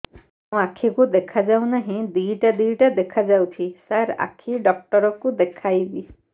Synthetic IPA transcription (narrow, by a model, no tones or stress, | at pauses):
aw̃akʰikud̪ekʰazaw̃naɦĩd̪ijʈad̪ijʈad̪ekʰazawt̪ʰisaɾa̰kʰiɖɔk̚ʈɔɾɔkud̪ekʰajbi